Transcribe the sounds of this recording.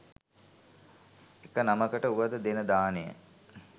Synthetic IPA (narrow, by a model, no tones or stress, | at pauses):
ekənaməkəʈəuʋəd̪əd̪enəd̪aːnejə̰